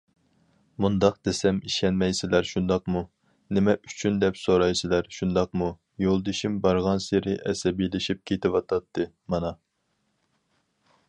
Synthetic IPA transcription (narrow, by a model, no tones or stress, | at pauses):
mund̪ɑq̚d̪̥esɛmiʃɛnmɛjsɪlæɾʃund̪ɑqmu | nɪmɛʔy̥t͡ʃʰynd̪ɛpsoɾɑjsɪlæɾʃund̪ɑqmu | jolˠd̪eʃimbɑɾʁɑnseɾɪʔɛsɛbilɪʃip̚kʲʰet̪ʰɪwɑt̪ʰɑt̪ʰːɨ | mɑnɑ